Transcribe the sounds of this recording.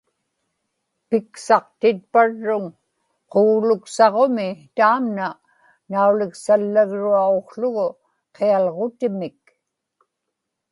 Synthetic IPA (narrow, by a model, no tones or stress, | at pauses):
pɪksɑqt̪ɪt̪̚paɻːʊŋ | qoːlʊksɑʁomɪt̪aːmna | naulɪksalːaɣɻuaoqɬʊɣʊ | qʰealʁot̪ɪmɪk